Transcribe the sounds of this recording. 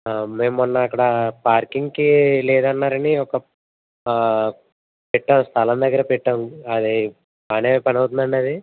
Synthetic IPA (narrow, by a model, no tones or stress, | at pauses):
meːmːunːɐːkːɐɽɐpaːɾkiŋɡkilɛːd̪ɐnːaːɾɐniɔkɐ | pɛʈːɐmst̪ʰɐlɐmd̪ɐɡːɐɾɐpɛʈːɐmɐd̪i | paneːpɐnɐwt̪und̪ɐɳɖɐd̪i